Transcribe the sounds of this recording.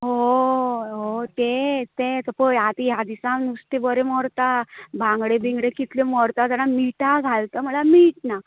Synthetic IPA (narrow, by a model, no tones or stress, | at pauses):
ɦo | ɦot̪et̪et̪əpəjat̪ijad̪isãnust̪ebəɾemɔɾt̪abʱãŋɡɽebiŋɡɽekit̪lemɔɾt̪at̪anamiʈaɡʱalt̪əm̤əlamiːʈna